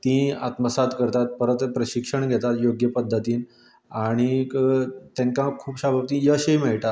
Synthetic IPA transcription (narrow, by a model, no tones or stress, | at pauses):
t̪ĩa̰t̪məsat̪kəɾt̪at̪̚pəɾət̪pɾəɕikʂəɳɡʱɛt̪at̪joɡjəpəd̪ʱːət̪iːn | aɽ̃i | t̪jãŋkãkʰuːpɕabʱabt̪ĩjəɕejmɛɭʈat̪